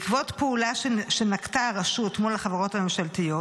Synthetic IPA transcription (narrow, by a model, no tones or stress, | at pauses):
kvot̪peulaʃʃenaktaʁeʃutmolaχavaʁo̞thamemʃaltijo